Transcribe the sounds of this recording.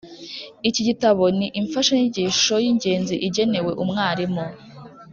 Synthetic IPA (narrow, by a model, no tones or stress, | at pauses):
iciɟitaβo̞niʔiɱfaʃaɲiɟiːʃo̞jiːɲɟe̞ːnziʔiɟe̞ne̞we̞ʔumŋaːɾimo